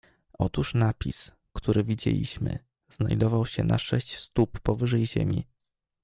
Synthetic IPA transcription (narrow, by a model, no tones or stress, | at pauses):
ʔɔt̪uʂnapʲis | kt̪uɾɘvʲid͡ʑḛlʲḭɕmɘ̰ | z̥na̰jd̪ɔvawɕɛna̰ʂɛɕt͡ɕst̪upːɔvɘʐɛjʑḛmʲi